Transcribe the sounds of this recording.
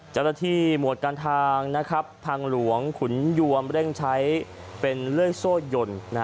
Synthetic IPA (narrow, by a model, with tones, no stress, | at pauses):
t͡ɕa˥˩wnaː˥t̪ʰiː˥˩mu˨˩ət̪̚kaː˧nt̪ʰaː˧ŋna˦˥kʰɾa˦˥pʰːaː˧ŋlu˩˦əŋkʰu˩˦nju˧əmɾe˥˩ŋt͡ɕʰa˦˥j | pe˧nlɯ˥˩əjsoː˥˩jo˨˩nna˦˥